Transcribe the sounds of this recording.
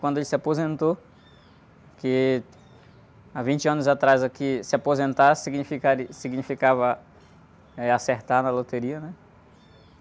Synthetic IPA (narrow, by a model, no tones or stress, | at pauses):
kwɐ̃d̪ʊelɪsɪapozẽnt̪o | kɪ | avĩnt͡ʃɪɐ̃nʊzat̪ɾazakɪsɪapozẽnt̪aɾsiɡnifikaɾisiɡnifikavɐ | ɛaseɾt̪aɾnɐlot̪eɾiɐnɛ